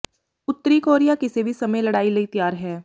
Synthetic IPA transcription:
ʊt̪ːəɾikoːɾijakɪsebʱisɐməjlɐɽaːilɐit̪jaːɾɦɛː

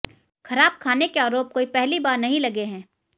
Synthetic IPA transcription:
xʰɐɾaːb̚kʰaːnekeaːɾoːp̚koːipɛɦlibaːɾnɐɦĩlɐɡeɦɛ̃ː

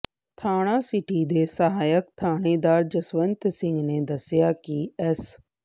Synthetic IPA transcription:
t̪ʰaːɽ̃ãːsɪʈid̪eːsəɦaːjəkt̪ʰaːɽ̃eːd̪aːɾd͡ʒəsʋənt̪sɪ̃ŋɡneːd̪əsɪjaːkiɛs

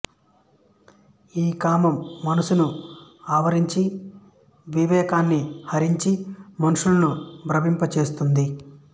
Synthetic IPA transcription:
iːkaːmɐmːɐnɐsunuaːʋɐɾiɲt͡ʃi | ʋiʋɛːkaːnːihɐɾiɲt͡ʃimɐnuʂulɐnubɾɐbimpɐt͡ʃe̞ːst̪und̪i

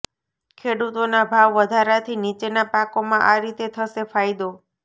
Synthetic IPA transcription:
kʰeɽut̪onabʱaʋːəd̪ʱaɾat̪ʰinit͡ʃenapãkomãʔaɾit̪et̪ʰəʃefajd̪o

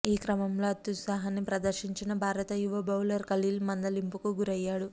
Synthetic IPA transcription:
iːkɾɐmɐmlo̞ːɐt̪ːusaːɦɐnːipɾɐd̪ɐɾʃiɲt͡ʃinɐbʱaːɾɐt̪ɐjuʋɐbʱɐwlɐɾkɐliːlmɐnd̪ɐlimpukuɡuɾɐjːaːɽu

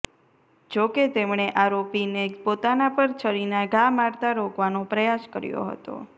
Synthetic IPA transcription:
d͡ʒoket̪emɳ̃eʔaɾopinepot̪anapəɾt͡ʃʰəɾinaɡamaɾt̪aɾokʋanopɾəjaskəɾjo̰ɦə̰t̪o̰

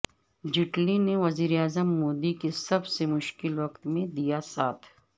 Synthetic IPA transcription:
d͡ʒɪʈlineʋɐziːɾeaːzəmːoːd̪ikesɐbsemʊʃkɪlʋɐkt̪mẽd̪ijasaːt̪ʰ

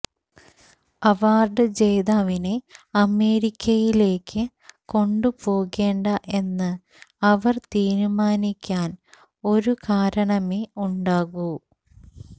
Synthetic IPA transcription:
ɐʋaːrɖɨd͡ʑe̞jðaːʋine̞ɐme̞ːɾikʲʰːɐjile̞ːkʰːɨ | ko̞ɳɖupo̞ːɣe̞ːɳɖɐʔe̞nːɨ | ɐʋɐrt̪iːɾumaːnikʲːaːn | o̞ɾukaːɾɐɳɐmeuɳɖaːɣu

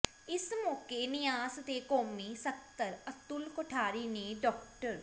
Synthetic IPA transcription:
ɪsmɔːkeːnɪjaːsət̪eːkoːmniːsək̚t̪əɾət̪ʊlkoʈʰaːɾiːneːɖɔːkʈəɾ

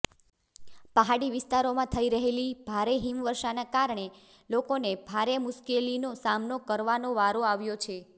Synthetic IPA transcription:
pəɦaɽiʋɪst̪aɾomãt̪ʰəiɾəɦelib̥ʱaɾeɦimʋəɾʃanakaɾɳe | lokonebʱaɾemʊʃkelinosamnokəɾʋanoʋaɾoaʋjot͡ʃʰe

